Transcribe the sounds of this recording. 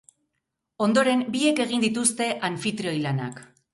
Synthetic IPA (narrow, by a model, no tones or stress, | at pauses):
o̞nd̪o̞ɾe̞mbie̞ke̞ɣ̞ind̪it̪ust̪e̞ʔaɱfit̪ɾeo̞jlana̰k